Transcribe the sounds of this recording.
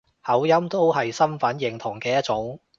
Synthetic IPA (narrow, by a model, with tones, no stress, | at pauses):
hɐ˨˥wjɐ˥mt̪o˥wɦɐ˨jsɐ˥mfɐ˨˥njɪ˨˩ŋt̪ʰʊ˨˩ŋkɛː˧jɐ˥t͡sʊ˨˥ŋ